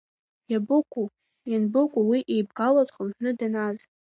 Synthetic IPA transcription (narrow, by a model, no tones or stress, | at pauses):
jabɨkʷʼu | janbɨkʷʼuwiʔejbɡalatʼχəmħʷᶣnɨdanaz